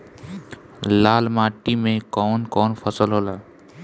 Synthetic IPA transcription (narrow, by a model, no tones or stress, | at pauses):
laːlmaːʈimẽkɔːnkɔːnpʰəsəlɦoːlaː